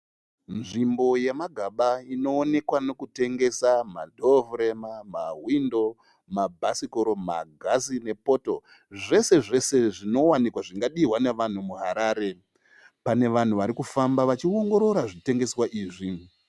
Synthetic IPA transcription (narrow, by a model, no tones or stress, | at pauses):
nʐimbo̞jemaɡʱaɓaino̞ːne̞kwano̞kute̞ŋɡe̞sama̰dʱo̞vuɾemamaɦwindo̞ | mabʱasikoɾo̞ma̰ɡʱazine̞po̞to̞ | ʐe̞se̞ʐe̞se̞ʐino̞wanikwaʐiŋɡaɗiɦwane̞ʋan̤umuɦaɾaːɾe̞ | pane̞ʋan̤uʋaɾikufambaʋat͡ʃio̞ŋɡo̞ɾo̞ɾaʐite̞ŋɡe̞swaʔiːʐi